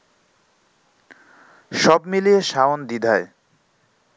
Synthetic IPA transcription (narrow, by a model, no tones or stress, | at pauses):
ʃɔbmilieʃaond̪id̪ʱae